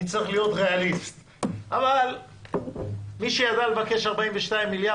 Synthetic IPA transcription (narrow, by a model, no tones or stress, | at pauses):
t͡saʁiχlijo̞t̪ʁealist̪ | ʔaval | miʃejadalevake̞ʃaʁbaiɱveʃtaimːilja